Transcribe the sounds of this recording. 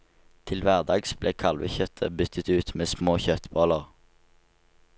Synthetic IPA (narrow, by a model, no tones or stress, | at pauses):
t̪ʰɪlʋæʁd̪ɑːɡsb̥leːkʰɑlʋə̰çœt̪ʰə̰bʏt̪ʰət̪ʉːt̪meːsmoːçœt̪boːləʁ